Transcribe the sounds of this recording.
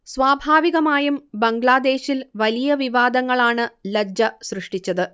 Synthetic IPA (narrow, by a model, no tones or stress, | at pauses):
sʋaːbʱaːʋiɣɐmaːjumbɐŋɡɭaːd̪e̞ːɕilʋɐlijɐʋiʋaːd̪ɐŋːɐɭaːɳɨlɐd͡ʑɐsrɨʂʈit͡ɕːɐðɨ